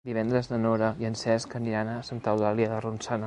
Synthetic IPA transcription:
d̪iβɛnd̪ɾəzðənoɾəiənsɛskəniɾanəsənt̪awðaliəðərunsanə

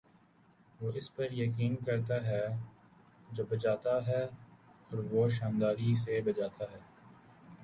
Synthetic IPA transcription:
ʋoːɪspɐɾjɐk̬iːnkɐɾt̪aɦɛː | d͡ʒoːbɐd͡ʒaːt̪aɦɛːɔːɾʋoːʃaːnd̪aːɾis̬ebɐd͡ʒaːt̪ʰaɦɛː

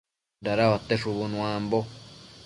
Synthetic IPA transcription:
ɾaɾaβat̪eʂuβunũãmbo

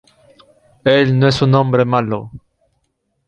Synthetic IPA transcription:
ɛlnɛsɔ̃nɔ̃bɾəmalɔ

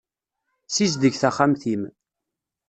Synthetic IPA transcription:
sizd̪əʝθæχamθim

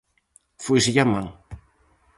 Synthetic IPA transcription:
fuisijamːaŋ

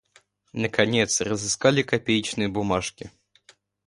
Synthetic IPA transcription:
nɐkanʲɛt̪srəzɨskalʲɪkapʲejt͡ʃnɨjəbumaʂkʲi

